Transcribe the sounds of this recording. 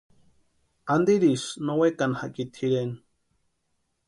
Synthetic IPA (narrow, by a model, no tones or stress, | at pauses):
and̪iɾisnowekanhakit̪hiɾen